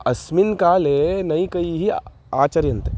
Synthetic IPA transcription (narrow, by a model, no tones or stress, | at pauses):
ɐsmɪnkaːlenɐĩkɐiɦi | aːt͡ʃɐɾjɐ̃nt̪e